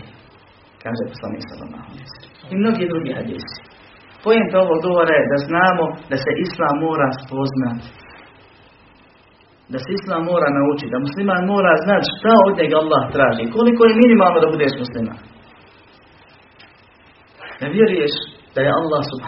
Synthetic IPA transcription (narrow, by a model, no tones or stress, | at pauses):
kaːʒeposlˠanḭːksa̰la̰ma̰honesimno̞ɡiːd̪ɾuɡiːhad̪ḭːsi̥ | po̞jemt̪ao̞ʋo̞ɡɡo̞ʋoɾajed̪aznaːmo̞d̪ase̞ʔislˠaːmːo̞ːɾaspo̞znat̪ | d̪aseislˠaːmːo̞ːɾaːnaut͡ʃit̪d̪amuslimaːnmo̞ːɾaːznat̪ʃt̪ao̞d̪ɲe̞ɡalˠːaːht̪ɾaːʒiko̞likojeminimaːlˠnod̪abud̪eːʃmuslima̰ːn | d̪aʋjeɾujeʃ | d̪̥ajealːaːhsub